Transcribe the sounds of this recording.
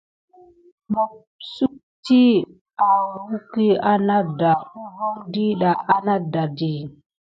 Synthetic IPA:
ma˨ | su˦k̚ti˦ | a˨wu˦ki˦a˦na˦da˨u˦vo˦ŋdi˦ɗa˨ʔa˦na˦da˨di˨

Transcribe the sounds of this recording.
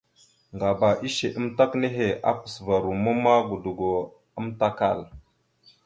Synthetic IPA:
ŋɡa˨ba˨ʔi˦ʃe˨ʔə˦mta˦kne˦ɦe˨ʔa̰˦pə̥˨sva˨ɾu˨mu˦ma˦ɡu˨du˨ɡo˨ | ə˦mta˦ka̰˦˨l

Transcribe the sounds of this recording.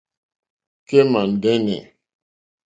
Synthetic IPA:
ke˦ma˨n̩˨dɛ˦nɛ̰˨

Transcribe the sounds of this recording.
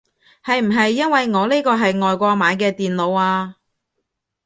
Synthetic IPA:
hɐ˨jm̩˨˩ɦɐ˨jːɐ˥nwɐ˨jŋɔː˨˧le˥kɔː˧ɦɐ˨jŋɔː˨jkʷɔː˧maː˨˧jkɛː˧t̪iː˨nlo˨˧waː˧

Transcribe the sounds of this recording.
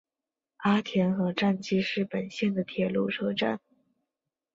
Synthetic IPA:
a˥t̪ʰjɛ˧˥nxɤ˧˥ʈ͡ʂa˥˩nt͡ɕi˥ʂɻ̩˥˩pə˨˩nɕjɛ˥˩nd̪ə˩t̪ʰjɛ˨˩lu˥˩ʈ͡ʂʰɤ˥ʈ͡ʂa˥˩n

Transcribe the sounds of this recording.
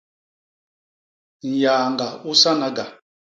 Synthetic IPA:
n̩˨jaː˨ŋɡa˨u˦sa˦ŋa˦ɡa˨

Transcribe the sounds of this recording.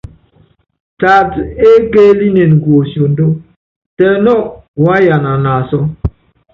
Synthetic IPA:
ta˨te˦ke˦li˦ne˨nɡo˨sjo˨ndo˦ | tɛ˨nɔ˦wa˦ja˨na˨na˨sɔ˦

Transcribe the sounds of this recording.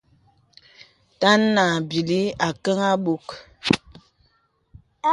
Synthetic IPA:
ta˦nːa˨bi˨li˦a˨kə˦ŋa˦ɓu˦k

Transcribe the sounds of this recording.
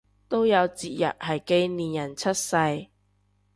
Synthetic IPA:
t̪o˥wjɐ˨˧wt͡siː˨t̚jɐ̰˨t̚hɐ˨˩jke˥˧jniː˨njɐ˨˩nt͡sʰɐ˥t̚sɐ˧j

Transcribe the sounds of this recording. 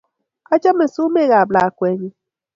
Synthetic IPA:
a˦d͡ʒa˦me˨su˦me˦ɣa˨bla˨a˨kʷe˨˦ɲi˦

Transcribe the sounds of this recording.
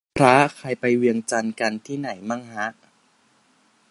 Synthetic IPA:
pʰɾa˦˥kʰa˧˩jpa˧jwi˧əŋt͡ɕa˧nka˧nt̪ʰiː˥˩na˩˦jma˥˩ŋha˦˥ʔ

